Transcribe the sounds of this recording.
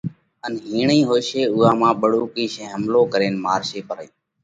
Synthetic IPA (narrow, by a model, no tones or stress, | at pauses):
ənɦiːɳĩːɦoːɪʃeːʊːaːmãːɓəɽuːkiːʃẽːɦəmloːkəɾeːnmaːɾʃeːpəɾəiː